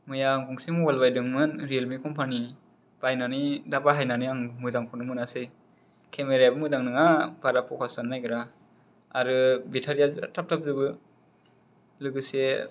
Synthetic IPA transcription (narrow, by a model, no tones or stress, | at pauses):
mɯjaːŋɡuŋsimɔwalbajdɯŋmɯnɾelmikʰɔmpʰani | b̥ajnanidabaɦajnaniaŋmɯzaŋpʰɔnɯmɯnasɯj | kʰemeɾabɯmɯzaŋnɯŋabaɾapʰɔkʰasanːajɡɾa | aɾɯbitʰaɾijaza̰tap̚tʰap̚zɯbɯ | lɯɡɯse